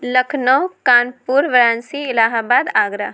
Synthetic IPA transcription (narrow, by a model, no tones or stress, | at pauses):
lɐkʰnɔkaːnpuːɾʋɾaːnsiɪlaːɦaːbaːd̪aːɡɾəɦ